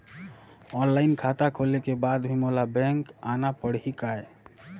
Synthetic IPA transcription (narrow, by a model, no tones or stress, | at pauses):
ɔnlainkʰat̪akʰolekebad̪bʱimolabɛ̃ŋkanapəɽ̤ɦikae